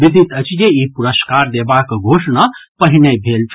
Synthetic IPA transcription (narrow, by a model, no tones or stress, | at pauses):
bid̪ʱit̪ət͡ʃʰd͡ʒeipuɾəskaɾd̪ebakɡʱosnapəɦinebʱelt͡ʃʰ